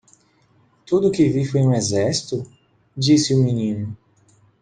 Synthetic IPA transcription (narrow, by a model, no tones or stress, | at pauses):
t̪ud̪ʊkɪvifojũezɛsi̥t̪ʊ | d͡ʒisɪʊminĩnʊ